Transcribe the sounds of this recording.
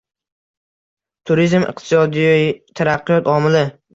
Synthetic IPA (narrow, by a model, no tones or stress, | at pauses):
t̪ʰʊɾizmɨ̰q̚t̪ʰɪsɒd̪ijt̪ʰaɾaqʰːɨjɒt̪ʰɒmɪlɪ